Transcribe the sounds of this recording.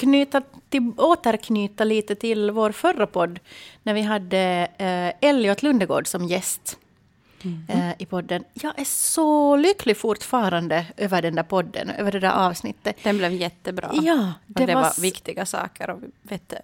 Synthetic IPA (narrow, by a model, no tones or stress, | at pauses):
kʰnyːt̪aɪoːt̪əɾkʰnyːt̪aliːt̪ət̪ʰɪlvoːɾfœrːapʰɔd̪ːnæɾvɪɦad̪ːə | ɛlːɪɔt̪ʰlʉnd̪əɡo̰ːɖsɔmjɛst̪ | ɪpʰɔd̪ːənjɑːɡʔæsɔlʏklɪɡfʊʈfɑːɾand̪əʔøːvəɖɛnd̪æɾpʰɔd̪ːə̰nø̰ːvəɖɛd̪æ̰ʔɑːvsnɪ̰t̪ːəd̪ɛnblɛvjɛt̪ːəbɾɑ̰ːjɑːd̪ɛd̪ɛaa̰vɪkt̪ɪɡasɑ̰ːkəɾɔvɪveːt̪